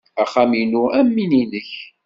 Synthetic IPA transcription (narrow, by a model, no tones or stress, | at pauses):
æχæminuæmːininəç